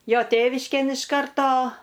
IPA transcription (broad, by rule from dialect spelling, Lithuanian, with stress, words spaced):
ˈjoː ˈtʲeːʋʲɪʃʲkʲeːn ɪʃ ˈkɐrtoː